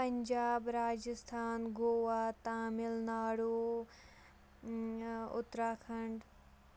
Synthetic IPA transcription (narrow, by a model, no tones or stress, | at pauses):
pɐɲd͡ʒaːbɾaːd͡ʒəst̪ʰaːnɡoːʋaːt̪aːmɪlnaːɽoː | ʊ̰t̪ɾaːkʰɐɳɖ